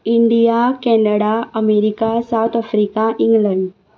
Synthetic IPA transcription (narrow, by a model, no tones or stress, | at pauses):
iɳɖijakɛnəɽaəmeɾikasawt̪ʰəfɾikaʔiŋɡləɳɖ